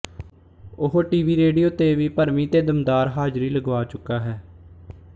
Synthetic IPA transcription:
ʊɦoːʈiːʋiːɾeːɖijoːt̪eːʋiːpəɾmĩːt̪eːd̪əmd̪aːɾɦaːd͡ʒɾiːləɡʋaːt͡ʃʊkːaːɦɛː

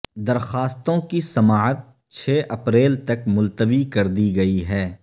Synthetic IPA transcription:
d̪ɐɾxaːst̪õkisɐmaːɦət̪̚ | t͡ʃʰeːʔɐpɾeːlt̪ɐkmʊlt̪əʋikɐɾd̪iɡɐiɦɛː

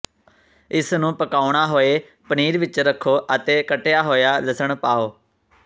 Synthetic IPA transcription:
ɪsnũːpəkaːɽaːɦoːeː | pəniːɾʋɪt͡ʃɾəkʰːoːʔət̪eːkəʈeːaːɦoːjaːləsəɳpaːoː

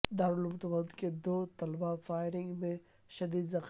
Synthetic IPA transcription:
d̪aːɾʊlmʊt̪bəd̪ked̪oːt̪ɐlbafaːɪɾɪ̃ŋɡmẽ | ʃɐd̪iːd̪zɐx

